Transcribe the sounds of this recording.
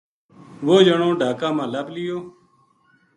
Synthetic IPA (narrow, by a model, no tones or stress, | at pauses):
ʋoːd͡ʒəɳoːɖʱaːkãːmãːləblɪjoː